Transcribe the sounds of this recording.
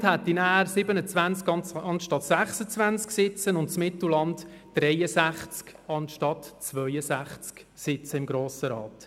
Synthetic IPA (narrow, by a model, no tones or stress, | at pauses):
thɛt̪ːinæːɾsɪbənət͡svænt͡skɑnɑnʃtɑtsæχsət͡svænt͡sksɪt͡sənʊntt͡smɪtl̩lɑndd̥ɾɛjəsæχt͡skɑnʃtɑtt͡svœjəsæχt͡sksɪt͡səɪmɡɾoːsəɾɑ̰ːt